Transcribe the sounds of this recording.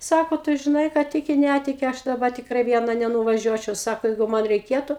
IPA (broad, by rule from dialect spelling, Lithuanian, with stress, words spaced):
ˈsɑːkoː ˈtʊ ʒʲɪˈnɐɪ kɑː ˈtʲɪkʲɪ ˈnʲætʲɪkʲɪ ˈɐʃ dɐˈbɐ tʲɪkˈrɐɪ ˈʋʲiɛnɐ nʲɛnʊʋɐˈʒʲuɔt͡ʃʲɛʊ ˈsɑːkoː ˈjɛɪɡʊ mɐn rʲɛɪˈkʲeːtʊ